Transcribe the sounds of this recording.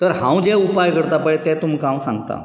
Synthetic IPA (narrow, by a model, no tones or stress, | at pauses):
t̪əɾɦãwd͡ʑɛupajkəɾt̪apəɭet̪ɛt̪um̤kãw̃sãŋɡt̪a̰